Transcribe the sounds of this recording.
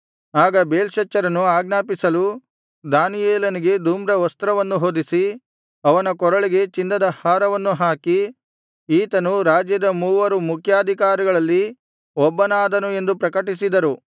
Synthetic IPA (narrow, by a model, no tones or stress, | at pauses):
aːɡɐbeːlʃɐt͡ʃːɐɾɐnuaːɡnaːpisɐlu | d̪aːnijɛːlɐniɡe̞d̪uːmɾɐʋɐst̪ɾɐʋɐnːuɦoːd̪isi | ɐʋɐnɐkɔɾɐɭiɡe̞t͡ʃind̪ɐd̪ɐhaːɾɐʋɐnːuɦaːki | iːt̪ɐnuɾaːd͡ʒjɐd̪ɐmuːʋɐɾumukʰjaːd̪ʱikaːɾiɡɐɭɐlːi | ɔbːɐnaːd̪ɐnue̞nd̪upɾɐkɐʈisid̪ɐɾu